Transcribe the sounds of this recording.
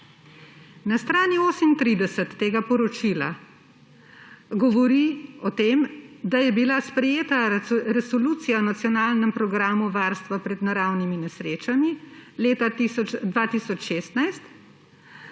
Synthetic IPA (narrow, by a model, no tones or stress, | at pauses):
nast̪ɾaːnioːsəmint̪ɾiːd̪ɛsət̪ːeːɡapɔɾɔt͡ʃila̰ | ɡɔʋɔɾiɔt̪eːmd̪ajɛbilaspɾɛjeːt̪aɾɛsɔluːt̪sijanat̪sjɔnaːlnɛmpɾɔɡɾaːmuʋaːɾst̪ʋapɾɛd̪naɾaːwniminɛsɾeːt͡ʃamileːt̪aiɔd̪ʋaːt̪isɔt͡ʃʃeːst̪najst̪